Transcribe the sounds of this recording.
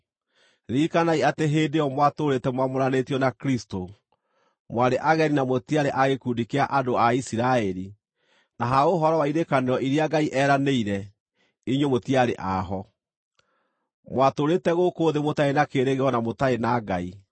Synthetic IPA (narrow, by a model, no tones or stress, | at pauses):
ɾiːkanaiateɦeːdeɔmwatoɾetɛmwamoɾanetjɔnakɾisto | mwaɾeʔaɣɛɾinamotiaɾeʔaɣekuːdikeaʔadoaisiɾaɛɾi | naɦaoɦɔɾɔwaiɾekaneɾɔʔiɾiaɡaiʔɛːɾaneiɾɛ | iɲwemotiaɾeʔaɦɔ | mwatoɾetɛɣokoːðemotaenakeːɾeɣeɔnamotaenaɡai